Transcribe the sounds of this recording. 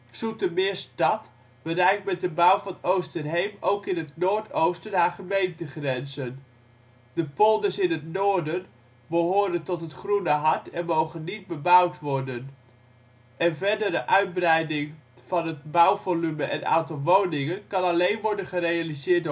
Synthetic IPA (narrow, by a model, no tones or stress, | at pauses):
sutəmɪːstɑt | b̥ərɛjk̚tmɛt̚dəbawfɑnowstənɦejmowkɪnɦətnoːɹtʰowstənɦaːχəmejntəχrɛnzən | dəpolˠdəsɪnətnoːdən | bəɦoːɾəntɔtɦətχrunəɦɑɹtɛnmowχənːit̚bəbawtʋɔɹdən | ʔɛnvɛɹdəɾəʔœɥd̚brɛjdɪŋv̥ɑnɦət̚bʌwvolyməʔɛ̰na̰wtɔlˠʋownɪŋənkɑnɑlejnʋɔɹdənχərejalizɪːtd